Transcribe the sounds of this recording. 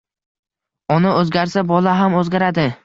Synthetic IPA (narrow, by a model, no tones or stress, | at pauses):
ɒnaɵzɡʲaɾsabɒlaɦamɵzɡʲaɾad̪ɪ